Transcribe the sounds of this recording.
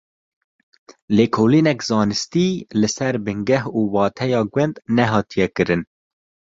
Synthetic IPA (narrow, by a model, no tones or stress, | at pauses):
leːkʰoːliːnɛkzɑːnɨst̪iːlɨsɛɾbɨŋɡɛɦuːwɑːt̪ʰɛjɑːɡwɛnd̪nɛɦɑːt̪ʰijɛkɨɾɨn